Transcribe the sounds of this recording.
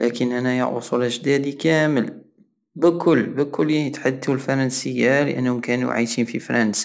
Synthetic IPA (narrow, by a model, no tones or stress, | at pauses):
lʔækənʔanaja̰ʕʊ̰sˤuːlʔəʒd̪æːd̪ikæːməl | bəkʊlːbəkʊlːit̪ħad̪ulfɑɾˤɑnsəjːalə̰ʔa̰nːhʊmkæːnṵʕa̰jʃiːnfifɑɾˤɑnsḁ